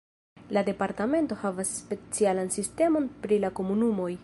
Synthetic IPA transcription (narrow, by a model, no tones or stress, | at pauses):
lade̞paɾtame̞nto̞havasːpe̞t͡sialansiste̞mo̞npɾilako̞munumo̞j